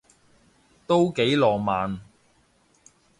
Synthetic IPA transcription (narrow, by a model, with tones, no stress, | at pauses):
t̪o˥wke˨˥jlɔː˨maː˨˧n